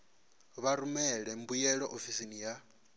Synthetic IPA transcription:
βaɾumɛɺɛm̩bujɛɺɔʔofisinija

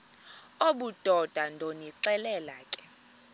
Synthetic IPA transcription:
oɓud̥ʱɔd̥ʱandʱoniǀɛlɛlaːkʼɛ̥

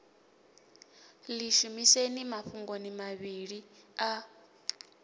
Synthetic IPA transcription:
liʃumisenimaɸuŋɡonimaβiɺia

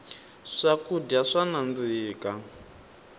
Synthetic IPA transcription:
ʂakudaʂanand͡ziːka

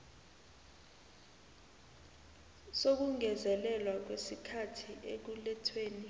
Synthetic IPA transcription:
sok̬uŋɛzɛlɛlwak̬wesikʰatʰiʔek̬ulɛtʰweːni

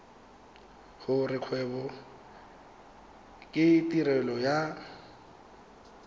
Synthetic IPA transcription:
hʊrɪkʰwɛbɔ | kʼɪtʼiɾɛlɔja

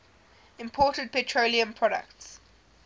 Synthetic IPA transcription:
ɪ̃mpʰɔːˑtəd̚pʰɛtʰɹoliə̃mpʰɹɔɾə̰kts

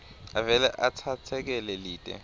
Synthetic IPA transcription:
avɛlɛʔatʰatʰɛk̬ɛlɛliːtʼɛ̰

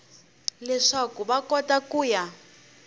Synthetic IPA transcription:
lɛʂakuβakɔtakuːja

